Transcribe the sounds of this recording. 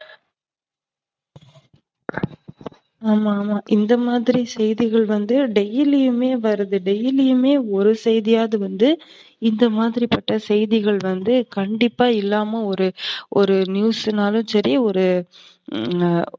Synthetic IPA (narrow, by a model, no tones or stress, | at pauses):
aːmaːmaːʔɪnd̪ɐmaːðɪɾisɛjðɪɣɐɭʋɐnd̪ɯɖɛjɪlɪjɯmeːʋɐɾɐðɯɖɛjɪlɪjɯmeːɔɾɯsɛjðɪjaːðɐʋɐnd̪ɯ | ɪnd̪ɐmaːðɪɾipɐʈːɐsɛjðɪɣɐɭʋɐnd̪ɯkɐɳɖɪpːaːɪlːaːmɐɔɾɯʔɔɾɯnjuːsnaːlɯ̃sɐɾɪjɐɔɾɯ